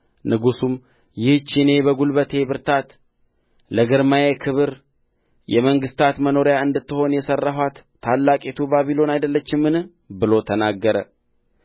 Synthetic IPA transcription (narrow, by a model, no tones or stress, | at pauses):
nɨɡusum | jɪht͡ʃine̞bəɡulbət̪ʰe̞bɨɾt̪ʰat̪ | ləɡɨɾmajekʰɨβɨɾ | jɛməŋɡɨst̪ʰat̪məno̞ɾjaɨnd̪ɨt̪ːɨho̞njɛsərːaɦwat̪ʰːalːakʼet̪ʰubaβilo̞najd̪əlːət͡ʃːɪmːɨnɨ | bɨlo̞t̪ʰənaɡːəɾə